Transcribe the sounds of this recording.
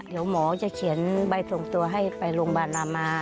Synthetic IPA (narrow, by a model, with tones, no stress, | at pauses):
di˩˦əwmɔː˨˦t͡ɕa˧˩kʰi˨˩˦ənba˧jsʰo˨˩ŋt̪u˧ɐɦa˥˩jpa˨˧jlo˧ŋbaː˧˩nʔaː˧mːaː˧